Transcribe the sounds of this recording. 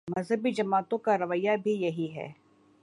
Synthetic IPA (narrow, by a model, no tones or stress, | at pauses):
mɐzɦəbid͡ʒɐmaːt̪õkaɾɐʋəjːabʱijɐɦiɦɛ̰ː